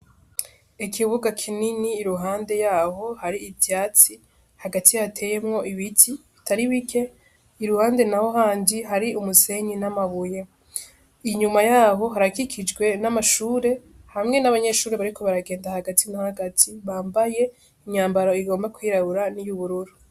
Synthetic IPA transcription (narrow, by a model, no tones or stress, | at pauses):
ekʰiβuɡakʰininiːɾuɦaːnde̞jaːɦo̞haɾiːbjaːt͡si | haɡatʰijatʰe̞je̞mŋo̞ʔiβitʰiβitaɾiwikʰe̞ | iɾuhaːnde̞naho̞ɦaːndiɦaɾiumuse̞ɲinamaβuje | iɲumajaːɦo̞ɦaɾakikʰid͡ʒɡwe̞namaʃuːɾe̞ | hamŋe̞naβaɲe̞ʃuːɾeβaɾikʰo̞βaɾaɡeːndahaɡatʰinahaɡatʰiβaːmbaje̞ | iɲaːmbaɾoiɡo̞ːmbakwiːɾaβuɾanijuβuɾuɾu